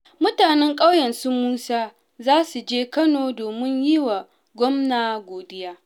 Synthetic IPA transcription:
mʊ˦taː˨nɛ˦ŋkʼa˦wjɐ˨nsu˦muː˦saː˦ | zaː˦su˨d͡ʒeː˦kɐ˦noː˨doː˨mɪ˦ɲji˦wa˨ | ɡʷɔ˦mnaː˨ɡʷoː˨dɪ˦jaː˦

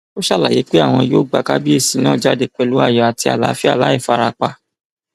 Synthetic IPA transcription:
o˦ʃa˦˨la˨je˨˦k͡pe˦a˦˨w̃ɔ̃˧jo˦ɡ͡ba˨ka˦bi˦e˦˨sĩ˨˦nãː˦˨d͡ʒa˦de˧k͡pɛ˧lu˨˦a̰˦˨jɔ˨a˨ti˧a̰˨la̰˨˦fi˦a̰˦˨la˨˦i˦˨fa˧ɾa˧k͡pa˧

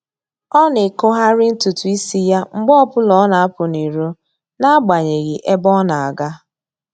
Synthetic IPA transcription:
ɔ˦ne˨ko˦ɦa˦ɾɪ˦n̩˦tu˨tu˨i˦si˦ja˦ŋ͡m̩˦ɡ͡bɔ˦ɔ˦pʊ˦lɔ˦na˨a˦pʊ˨ni˨ɾo˦ | na˦a˦ɡ͡ba˨ɲe˨ɣɪ˨ʔe˦bɔ˦na˨a˨ɡa˦

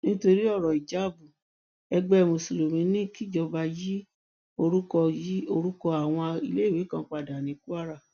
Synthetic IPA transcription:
nĩ˦to˧ɾi˦ɔ˦˨ɾɔ˨i˨d͡ʒa˨˦˨bu˨ | ɛ˧ɡ͡bɛ˦˧mõ˨so˨lo˨mĩ˧˦nĩ˦˨ki˦d͡ʒɔ˧ba˧ji˦ | o˧ɾu˦kɔ˧ji˦o˧ɾu˦kɔ˧a˨w̃ɔ̃˧i˧le˦˨we˨˦kã˧˦k͡pa˧˨da˨nĩ˨˦ku˦a˦ɾa˦˨

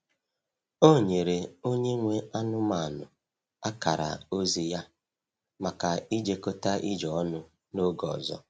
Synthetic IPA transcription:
o˦˨ɲe˨ɾe˨o˦ɲe˦ŋʷe˦a˦nʊ˦ma˨nʊ˨ | a˦ka˨ɾa̰˨o˦zi˨ja˦ | ma˨ka˨i˦d͡ʒe˦ko˦ta˦ʔi˦d͡ʒɔ˨˦nʊ˦ | no˦ɡɔ̰˨zɔ̰˦

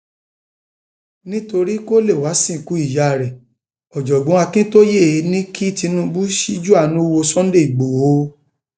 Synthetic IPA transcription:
nĩ˦to˧ɾi˦ko˦le˦˨wa˨˦sĩ˦˨ku˨˦i˦˨ja˨ɾɛ˨ | ɔ˨d͡ʒɔ˨ɡ͡bɔ̃˨˦a˧kĩ˦to˦je˦˨e˨˦nĩ˦kʰi˦ti˧˦nũ˦bu˦ʃi˦d͡ʒu˦a˦˨nũ˦˧wo˧sɔ̃˦n̩˦de˦˨i˨ɡ͡bo˨o˨˦

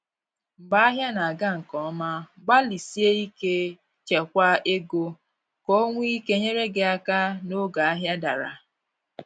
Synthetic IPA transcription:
m̩˨ba˦a˦ɦja˦na˨a˨ɡa˦ŋ̩˨kɔ˨˦ma˦ɡ͡ba˦li˨si˦e˦i˦ke˦ | t͡ʃe˨kʷa˦e˦ɡo˦ | ko˦ŋʷ˦i˦ke˦ɲe˦ɾe˦ɡe˦a˦ka˦no˦ɡa˨a˦ɦja˦da̰˨ɾa̰˨

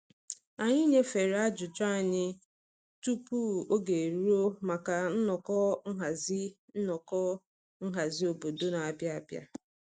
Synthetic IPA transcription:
a˨ɲɪ˦ɲe˦fe˨ɾa˦d͡ʒʊ˨t͡ʃa˦˨ɲɪ˦ | tu˦pu˦˨o˦ɡe˨e˨ɾu˦o˦ma˨ka˨n̩˦nɔ˨kɔ˦ŋ̩˦ɦa˨zɪ˦ | n̩˦nɔ˨kɔ˦ | ŋ̩˦ɦa˨zɪ˦o˨bo˨do˦na˨a˨bja˦a˨bja̰˦

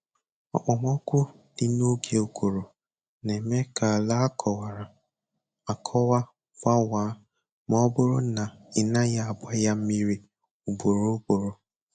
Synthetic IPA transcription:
ɔ̰˨k͡pɔ˨m˦ɔ˦kʷʊ˦ | dɪ˦no˦ɡe˨o˦kʷo˨ɾo˨ | ne˨me˦ka˨la˦kʰɔ˨wa˨ɾa˨ | a˨kʰɔ˦wa˦ | fa˦wa˨˦ | mɔ˦bʊ˦ɾʊ˦na˨ɪ˨na˦ja˦a˨bʷa˦ja˦m̩˦mi˦ɾi˦ | u˨bo˨ɾo˦bo˨ɾo˨

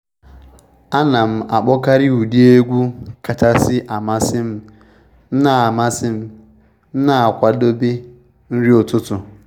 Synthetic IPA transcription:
a˦na˨m̩˦a˨k͡pɔ˦ka˦ɾi˦u˨di˦e˦ɡʷu˦ka˨ta˨sɪ˦ʔa˨ma˦sɪ˦m̩˦ | n̩˦na˨a˨ma˦sɪ˦m̩˦ | n̩˦na˨a˨kʷa˨do˦bi˦ | n̩˦ɾi˦o˨tʊ˦tʊ˨

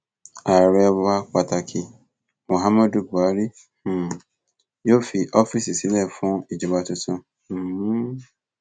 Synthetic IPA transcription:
a˨ɾɛ˧wa˧k͡pa˨ta˨kʰi˧ | mo˨ɦa˦mɔ˦du˨ɡu˨a˨˦ɾi˦˨ | jo˦fi˧ʔɔ˦fi˦˨si˨si˨˦lɛ˦˨fũ˦i˦˨d͡ʒi˨ba˧tũ˧tũ˧˨˦

